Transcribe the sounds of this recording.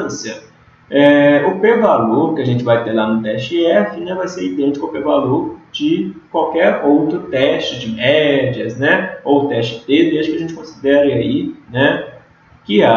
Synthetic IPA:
sɐ | ɛʊpevaloɾkɪɐʒẽnt͡ʃɪvajt̪eɾlanʊt̪ɛʃt͡ʃɪɛfɪnɛ̃vajseɾid̪ẽt͡ʃi̥kɐʊpevaloɾd͡ʒɪkwawkɛɾowt̪ɾʊt̪ɛʃt͡ʃɪd͡ʒɪmɛd͡ʒiɐznɛowt̪ɛst͡ʃɪt̪ed̪eʒʊkɪɐʒẽnt͡ʃɪ̥kõsid̪ɛɾɪainɛ | kɪa

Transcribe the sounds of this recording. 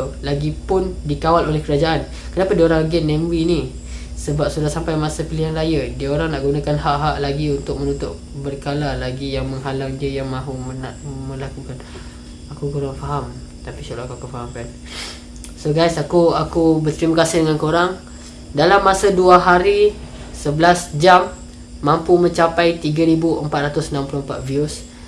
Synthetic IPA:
laɡipʊndikawalolɛhkəɾad͡ʒaʔan | kənapadiəoɾaŋɡɛnːɛmwini | səbap̚sudahsampajmasapiliɦanrajədiaoɾaŋnaʔɡunakanɦaʔɦaʔlaɡiunt̪ʊk̚mənut̪ʊʔ̚ | bərkalalaɡijaŋməŋɦalaŋdiəjaŋmãɦumənaʔmə̃lakukan | akukuɾaŋfaɦam | t̪apisaloakuakufaɦamkan | soɡajsakuakubərt̪əɾimakasɪhdəŋankoɾaŋ | dalamːasaduaɦaɾi | səbəlasd͡ʒamː | ãmpumə̃ɲt͡ʃapajt̪iɡaɾibuəmpat̪̚ɾat̪ʊsənampuloəmpat̪̚vius

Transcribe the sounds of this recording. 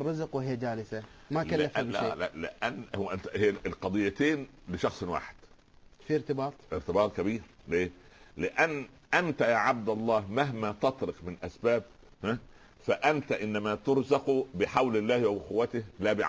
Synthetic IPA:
rˤːɑzqwhɪjːd͡ʒaːlɪsamalkalːafllɪ̰ʔænːhʔɪnt̪æhɪjːlqɑd̪ˤɨjːæt̪eːn | lɪʃɑxsˤwa̰ːħɪ̥d̪̥ | fiɪɾt̪ɪbɑːt̪ˤʔɪɾt̪ɪbɑːt̪ˤkæbiːɾ | leː | lɪʔænː | ʔænt̪æjaːʕab̚d̪ɑlˤːɑːhmaɦmæt̪ɑt̪ˤɾɪqmɪnʔæsbæːb̚ | hæ | fæʔænt̪æʔɪnːæmæt̪ʊɾzɑqubɪħawlɪlːæːhwawqʊwːæt̪ɪhlæːbɪʕ

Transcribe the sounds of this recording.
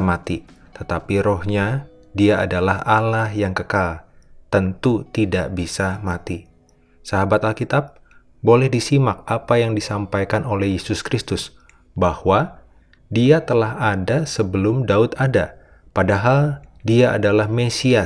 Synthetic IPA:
mat̪i | t̪ət̪apiɾohɲa | diaa̰dalaɦalahjaŋkəkalt̪ənt̪ut̪idaʔbisamat̪i | saɦabat̪alkit̪ap̚ | bolɛhdisimak̚ʔapajaŋdisampajkanolɛhjesʊskɾist̪ʊs | bahwa | diat̪əlaɦadasəbəlʊmdaʊt̪ada | padaɦaldiaʔa̰dalahmesia

